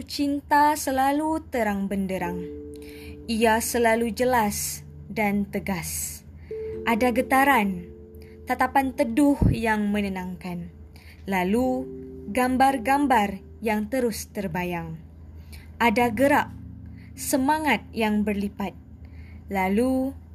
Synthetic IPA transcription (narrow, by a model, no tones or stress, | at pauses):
t͡ʃint̪asəlalut̪əɾaŋbəndəɾaŋ | ʔiasəlalud͡ʒəlas | dant̪əɡas | ʔadaɡət̪aɾan | t̪at̪apant̪ədʊhjaŋmənənãŋkan | laluɡambarɡambar | jaŋt̪əɾʊst̪ərbajaŋ | ʔadaɡəɾaʔ̚ | səmaŋat̪̚jaŋbərlipat̪̚ | lalu